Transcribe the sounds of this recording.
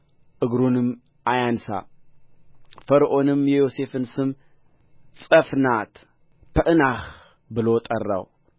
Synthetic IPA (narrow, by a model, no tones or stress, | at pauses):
ʔɨɡɾunɨm | ʔajansa̰ | fəɾʔo̞nɨmjɛjo̞se̞fɨnsɨm | sʼəfnat̪ | pʰəʔɨnax | bɨlot̪ʼərːa̰w